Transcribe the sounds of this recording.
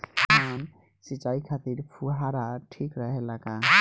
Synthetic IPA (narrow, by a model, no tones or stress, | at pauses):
man | sit͡ʃaikʰat̪iɾpʰuɦaɾaʈʰikɾəɦelaka